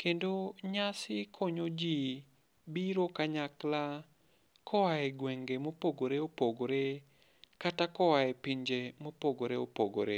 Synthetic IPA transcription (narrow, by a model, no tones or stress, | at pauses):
kendoɲasɪkʰɔɲod͡ʒi | biɾokaɲakla | kɔwaɛɡweŋɡemopoɡoɾeopoɡoɾe | katakɔwaɛpiɲd͡ʒemopoɡoɾeopoɡoɾe